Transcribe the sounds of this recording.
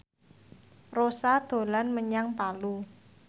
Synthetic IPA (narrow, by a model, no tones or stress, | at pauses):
rosad̪̥o̤lanməɲaŋpalu